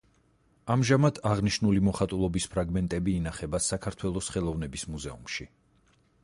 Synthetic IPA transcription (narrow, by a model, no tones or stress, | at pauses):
amʒamad̪̥ʰaʁniʃnulimɔχat̪ʼulˠɔbispʰɾaɡmɛnt̪ʼɛbiːnaχɛbasakʰaɾt̪ʰwɛlˠɔsχɛlˠɔvnɛbismuzɛumʃi